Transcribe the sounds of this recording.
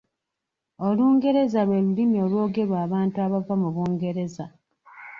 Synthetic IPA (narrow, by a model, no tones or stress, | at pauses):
oluːŋɡe̞ɾe̞zalwe̞ːlulimio̞lwo̞ːɡe̞ɾwaːβaːntuaβavːamuβuːŋɡe̞ɾe̞za